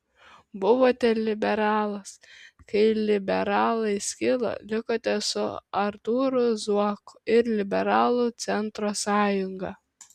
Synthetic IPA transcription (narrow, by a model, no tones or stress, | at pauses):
bʊʋoːt̪ʲɛlʲɪbʲɛɾɑːlˠɐskɐɪlʲɪbʲɛɾɑːlˠɐɪsʲkʲɪlˠo̰lʲɪkoːt̪ʲɛsʊɐɾt̪uːɾʊzuɔkʊ̥ɪɾlʲɪbʲɛɾɑːlˠuːt̪sʲɛnt̪ɾoːsɑːjʊŋɡɐ